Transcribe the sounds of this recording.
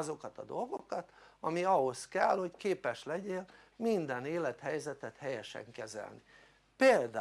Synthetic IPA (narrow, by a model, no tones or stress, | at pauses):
zo̞kɒt̪ɒd̪o̞lɡokɒt̪ɒmiɒɦo̞skɛlho̞ckeːpɛʃlɛɟeːlmind̪ɛneːlɛt̪hɛjzɛt̪ɛt̪hɛjɛʃɛ̰ŋkɛzɛ̰lni | peːld̪a